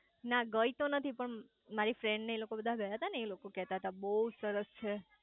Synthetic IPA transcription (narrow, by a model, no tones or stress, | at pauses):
naɡəit̪onət̪ʰipəɳ | maɾifɾeɳɖneelokobəd̪ʱaɡʱəjaɦt̪aneːlokokɛɦt̪aɦət̪abəɦusəɾəst͡ʃʰe